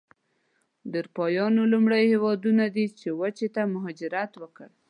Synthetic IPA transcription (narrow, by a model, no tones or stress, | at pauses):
d̪əɾpɑjɑnolumɽajhewɑd̪unad̪it͡ʃewat͡ʃet̪amʊɦɑd͡ʒɪɾat̪wəkəɽ